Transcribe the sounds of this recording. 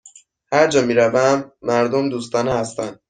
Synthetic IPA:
hæɾd͡ʒɒːmiːɾævæmːæɾd̪omd̪uːst̪ɒːnhæst̪ænd̪̥

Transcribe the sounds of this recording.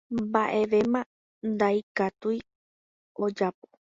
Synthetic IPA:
baʔe̞ʋe̞mã | nd̪ajkat̪uj | o̞d͡ʒapo̥

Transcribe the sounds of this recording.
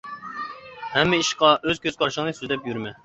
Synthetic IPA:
hɛmːɪiʃqɑʔøzkʲʰøz̥kʰɑɾʃəŋnɨsyzd̪ɛpjyɾmɛ

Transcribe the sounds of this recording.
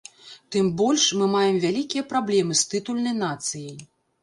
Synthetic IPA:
t̪ɨmbɔlʲʂmɨmajɛmvʲalʲikʲijɐpɾablʲɛmɨst̪ɨt̪ulʲnɐjnat̪sɨjɐj

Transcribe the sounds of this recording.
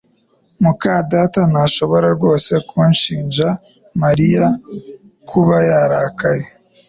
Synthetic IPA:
mukadaːtanaʃo̞βo̞ɾaɾɡo̞ːse̞kʰuːnʃiːnʒa | maɾija | kʰuβajaɾaːkaje

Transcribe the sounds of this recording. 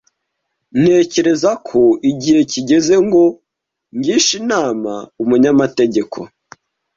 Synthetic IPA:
n̥he̞ːce̞ɾe̞zakʰo̞iɟihe̞ciɟe̞ze̞ŋɡo̞ | ɲɟiːnʃinaːmaumuɲamate̞ɟe̞kʰo̰

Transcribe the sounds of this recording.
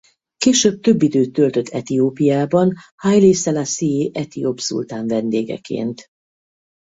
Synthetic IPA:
keːʃøːb̚t̪ø̞bːid̪øːt̪ːølt̪ø̞t̪ʰːɛt̪ioːpijaːbɒnhajlisɛlasieʔɛt̪ijopsṵlt̪aːɱvɛnd̪eːɡɛ̰kḛːnt̪

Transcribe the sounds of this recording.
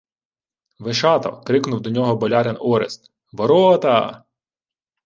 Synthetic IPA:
ʋeʃɑt̪ɔ̰kɾɪknʊwd̪ɔnʲɔɦɔbɔlʲɑɾenɔɾest̪ | ʋɔɾɔt̪ɐ̰

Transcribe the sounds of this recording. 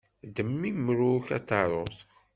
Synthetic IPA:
d̪əmːiməɾuçæt̪ːɑɾˤoθ

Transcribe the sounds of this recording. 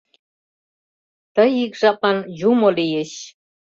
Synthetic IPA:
t̪əjikʒɑpɑnjumolijeɕ

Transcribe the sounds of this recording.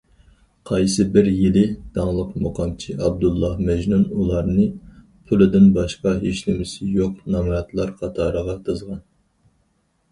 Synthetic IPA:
qʰɑjsɨbɪɾjilɪd̪̥ɑŋlˠəqmoqʰɑmt͡ʃʰiɑb̚d̪ulˠːɑhmɛʒnunulˠɑɾnɨ | pʰʊlˠɪd̪ɪnbɑʃqɑɦeʃnɪmɪsɪjoqnɑmɑɑt̪lˠɑɾχɑt̪ʰɑːɾəʁɑt̪ʰɨzʁɑn

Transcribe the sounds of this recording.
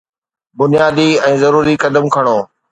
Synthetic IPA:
bʊnijaːd̪iɛ̃ːzɐɾuːɾikɐd̪əmkʰɐɽ̃oː

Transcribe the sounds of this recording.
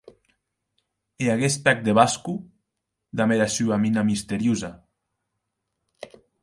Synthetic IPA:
eaɣest̪ak̚d̪eβasku | d̪ameɾasyaminamist̪eɾjuza

